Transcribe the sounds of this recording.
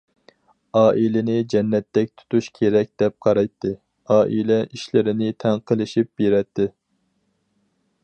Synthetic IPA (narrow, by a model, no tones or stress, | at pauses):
ɑːʔilɪnɪd͡ʒɛnːɛt̪ːɛk̚ʲt̪ʰu̥t̪ʰuʃkʲʰeɾɛk̚ʲd̪̥ɛp̚qʰɑɾɑjt̪ʰːɨ | ɑːʔilɛʔiʃlɪɾɪnɪt̪ʰɛŋqʰəlˠɪʃip̚beɾɛt̪ʰːɨ